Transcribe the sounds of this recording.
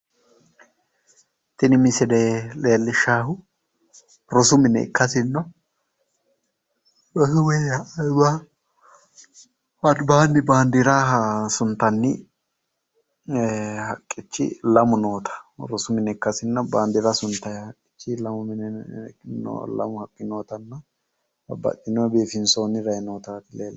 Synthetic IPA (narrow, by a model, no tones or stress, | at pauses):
t̪ɪnɪmɪsɪd̪eleːlːɪʃːaːhʊ | ɾɔsʊmɪnɛ̰ɪ̰kːɐsɪnːɔ | ɐhwejɐɐjba | ɐd̪baːnːɪbaːnd̪ɪɾɐsʊnt̪ːɐnːɪ | hɐkʼːɪt͡ʃːɪ̰lɐmʊnoːt̪ʰɐ̥ɾɔsʊmɪnɛɪkːɐsɪnːɐbaːnd̪ɪɾɐsʊnt̪ːɐjhɐkʼːɪ̥t͡ʃːɪlɐmʊmɪnɛno̰lɐ̰mʊhɐkʼːɪnoːt̪ɐnːɐ | ɐbɐ̰t̪ʼːɪnɔbeːfɪnsoːnːɪɾɐjnoːt̪ɐt̪ɪleːl